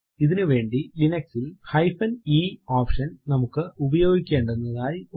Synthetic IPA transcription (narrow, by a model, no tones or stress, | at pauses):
iðinɨʋe̞ːɳɖilinɐksilhɐjfɐniːoːpʂɐnnɐmukːɨubɐjo̞ːɡikʲːe̞ːɳɖuenːɐðaːji